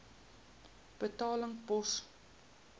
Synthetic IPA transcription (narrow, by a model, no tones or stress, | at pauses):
b̥ətɑːləŋbɔs